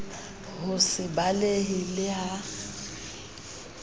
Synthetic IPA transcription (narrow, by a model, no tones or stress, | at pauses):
hʊsɪbaleɦɪlɪɦa